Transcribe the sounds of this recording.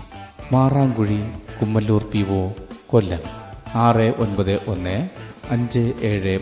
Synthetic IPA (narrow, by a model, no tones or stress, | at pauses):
maːraːŋɡuɻikumːɐlːuːrpiʋoːkolːɐmaːreʔonbɐðɨʔonːeɐɲd͡ʑɨeːɻe